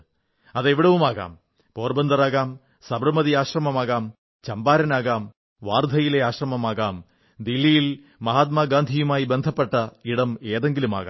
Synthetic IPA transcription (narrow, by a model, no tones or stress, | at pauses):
ɐðeʋiɽɐʋumaːɣa̰ːm | poːrbɐnd̪ɐraːɣaːm | sɐbrɐmɐðiaːɕrɐmɐmaːɣaːm | t͡ɕɐmbaːɾɐnaːɣaːm | ʋaːrd̪ʱɐjileaːɕrɐmɐmaːɣaːm | d̪ilːijil | mɐɦaːt̪̚maːɡaːnd̪ʱijumaːjibe̞nd̪ʱɐpːe̞ʈːɐiɽɐmeːðe̞ŋɡiluma̰ːɣa̰ː